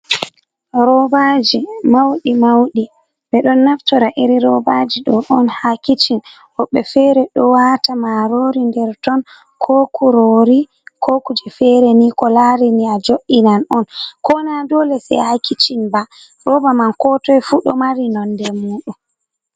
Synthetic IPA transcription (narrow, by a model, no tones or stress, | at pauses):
ɾɔbad͡ʒimawɗimawɗi | ɓɛɗɔnːaftɔɾaʔiɾiɾɔbad͡ʒiɗɔʔɔnhakit͡ʃin | ʔɔɓːɛfɛɾɛɗɔwatamaɾoɾindɛɾtɔn | kʰɔkʰuɾoɾi | kʰokud͡ʒɛfɛɾɛnikɔlaɾiniad͡ʒoʔːinanɔnkɔnadɔlɛsɛ̰hakʰit͡ʃinba | ɗɔbamankɔtɔjfuɗɔ̰maɾinɔndɛmuːɗu